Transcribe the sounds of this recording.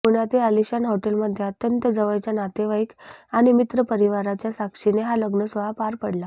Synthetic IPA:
muɽ̃at̪iəliɕanɦoʈelməd̪ʱːjeət̪jənt̪əd͡zəʋəjt͡ɕjanat̪eʋaikaɽ̃imit̪ɾəpəɾiʋaɾat͡ɕjasakʂineɦaləɡnəsʋəɭapaɾpəɽla

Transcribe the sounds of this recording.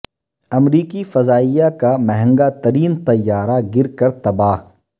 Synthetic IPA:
ɐmɾiːkifɐzaːijakamɛɦɛ̃ŋɡat̪ɐɾiːnt̪ɐjːaːɾaɡɪɾkɐɾt̪ɐbaːɦ

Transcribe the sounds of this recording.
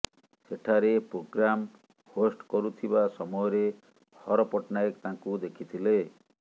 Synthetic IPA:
seʈʰaɾepɾoɡɾam | hosʈkɔɾut̪ʰibasɔmɔjɔɾe | hɔɾɔpɔʈnaekt̪ãŋkud̪ekʰit̪ʰile

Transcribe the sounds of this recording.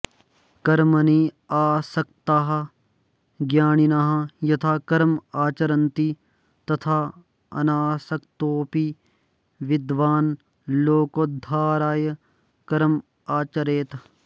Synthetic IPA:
kɐɾmɐniː | aːsɐkt̪aɦɐ | ɡjaːninaːɦɐjɐt̪ʰaːkɐɾmaːt͡ʃɐɾɐnt̪i | t̪ɐt̪ʰaː | ɐ̰naːsɐkt̪oːpi | ʋɪd̪ʋaːn | loːkoːd̪ʱaːɾaːjɐ | kɐɾm | aːt͡ʃɐɾeːt̪

